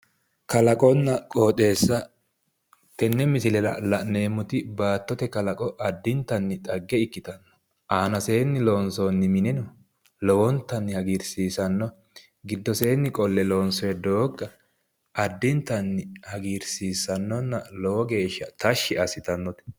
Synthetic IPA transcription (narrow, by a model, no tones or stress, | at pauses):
kɐlɐkʼɔnːɐkʼoːt̪ʼe̞ːsːɐ | t̪ɛnːɛmɪsɪlɛlɐlɐne̞ːmːʊt̪ɪbaːt̪ːɔt̪ɛkɐlɐkʼɔʔɐd̪ːɪnt̪ːɐnːɪt̪ʼɐɡːɛɪkːɪt̪ɐnːɔ̥ | ʔaːnɐseːnːɪloːnsɔːnːɪmɪnɛnɔ | lɔwɔnt̪ːɐnːɪhɐɡiɾsiːsɐnːɔ | ɡɪd̪ːɔse̞ːnːɪkʼɔlːɛloːnsɔjɛd̪oːɡːɐ | ʔɐd̪ːɪnt̪ːɐnːɪhɐɡiːɾsiːsɐnːɔnːɐlɔwɔɡe̞ːʃːɐt̪ɐʃːɪɐsɪt̪ɐnːɔt̪ɛ̥